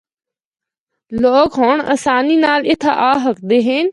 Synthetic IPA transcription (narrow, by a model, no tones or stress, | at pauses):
loːkɦoːɳɐ̰saːniːnaːlɪt̪ʰaʔaːɦəkd̪eːɦeːn